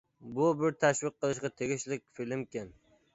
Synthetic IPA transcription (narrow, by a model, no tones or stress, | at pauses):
bʊbɪɾt̪ʰaʃvɪq̚qːɨlˠɪʃkʲat̪ʰeɡʲɪʃlɪk̚ʲfɪlɪmkʲɪn